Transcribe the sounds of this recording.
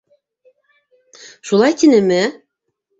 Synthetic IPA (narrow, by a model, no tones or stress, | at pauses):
ʃulˠɑjt̪ʲinĕmɘ